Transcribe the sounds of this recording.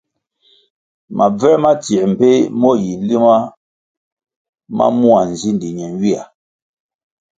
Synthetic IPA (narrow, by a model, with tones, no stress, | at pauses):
ma˨b͡vɛ˦ma˦ti˨m̩˨pe˦mɔ˦˨ji˨li˦ma˦ | ma̰˦mu˦a˨n˨zi˦ndi˨ɲɛ˨nɥi˦a˨